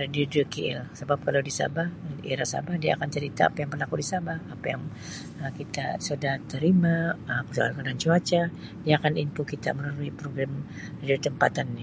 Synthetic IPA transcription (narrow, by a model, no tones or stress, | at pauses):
radiudəkiɪ̰lsəbap̚kalawdisa̰bahʔiɾasa̰bahdiaːkant͡ʃəɾit̪a̰ːpajaŋpərlakudisabahapaja̰ŋ | əkit̪a̰sudaht̪əɾimaəpəsaalkadant͡ʃuat͡ʃa | diaːkanint̪ukit̪a̰mənaɾuipɾoɡɾam | radiot̪əmpat̪anːi